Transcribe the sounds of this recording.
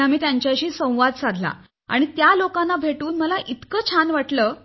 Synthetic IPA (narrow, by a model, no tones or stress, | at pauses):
amiːt̪jaɲt͡ɕjaɕiːsə̃w̃ʋad̪sad̪ʱla̰ | a̰ɽ̃it̪jalokanːabʱeʈuːnməlaʔit̪kəːt͡ɕʰanʋaʈləː